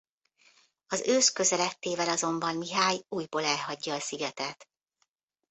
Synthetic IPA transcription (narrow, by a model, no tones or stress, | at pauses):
ɒzøːskø̞zɛlɛt̪ːeːvɛlɒzo̞mbɒnmiɦaːjuːjboːlɛlɦɒɟːɒːsiɡɛt̪ɛt̪